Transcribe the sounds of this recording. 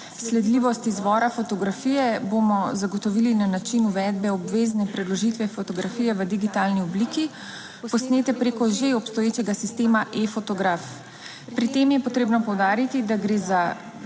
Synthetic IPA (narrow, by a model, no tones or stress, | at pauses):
slɛd̪liːʋɔst̪izʋɔːɾafɔt̪ɔɡɾafijɛbomɔzaɡɔt̪ɔʋiːlinanat͡ʃinuʋɛd̪bɛɔbʋeːznɛpɾɛd̪lɔʒit̪ʋɛfɔt̪ɔɡɾafiːjɛʋəd̪iɡit̪aːlniɔbliːki | pɔsneːt̪ɛpɾeːkɔʒeɔpst̪ɔjeːt͡ʃɛɡasist̪eːmaʔefɔt̪ɔɡɾaf | pɾit̪eːmjɛpɔt̪ɾeːbnɔpɔwd̪aːɾit̪id̪aɡɾeːza